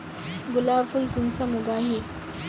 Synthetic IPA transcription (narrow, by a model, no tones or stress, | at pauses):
ɡulaːfulkunsəmuɡaɦe